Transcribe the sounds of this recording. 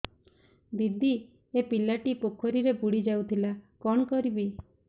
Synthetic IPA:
bid̪ʱi | epilaʈipokʰɔɾiɾebuɽid͡ʒawt̪ʰilakɔɽ̃ɔkɔɾibi

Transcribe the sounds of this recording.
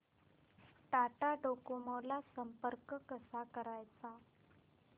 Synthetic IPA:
ʈaʈaɖokoməwlasəmpəɾkəkəsakəɾajt͡sa

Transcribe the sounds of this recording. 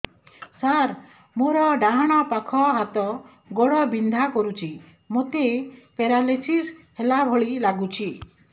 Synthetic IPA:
saɾ | moɾɔɖaɦaɽ̃apakʰɔɦat̪ɔ | ɡɔɽɔbind̪ʱakɔɾut͡ʃʰi | mot̪epeɾalesishelabʱɔɭilaɡut͡ʃʰi

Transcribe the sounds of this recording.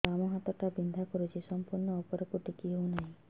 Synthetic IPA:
amɔɦat̪ɔʈabind̪ʱakɔɾut͡ʃʰisɔmpuɾɳɔːpɔɾɔkuʈikiɦownaɦĩ

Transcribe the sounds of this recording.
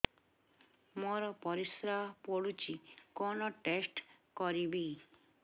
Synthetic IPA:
mɔɾɔpɔɾisɾapoɽut͡ɕikɔnoʈesʈkɔɾibi

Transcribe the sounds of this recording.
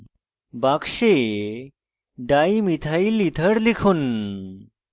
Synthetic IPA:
bakʂe | ɖaimit̪ʰailit̪ʰəɽlikʰuːn

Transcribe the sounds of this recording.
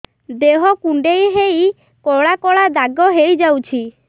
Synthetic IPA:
d̪eɦɔkuɳɖejɦej | kɔɭakɔɭad̪aɡɔɦejd͡ʒawt͡ʃʰi

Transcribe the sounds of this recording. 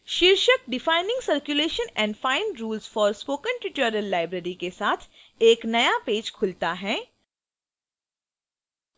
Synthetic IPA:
ʃiɾʃək̚ɖɪfaːɪnɪ̃ŋɡsəɾkjʊleːʃə̃nɛ̃ːɳɖfaːɪnɾuːlzfɔːɾspoːkə̃nʈɪʈjəːɖəllːaːɪbɾəːɾikesaːt̪ʰ | eːknɐjapeːd͡ʒkʰʊlt̪aɦɛː

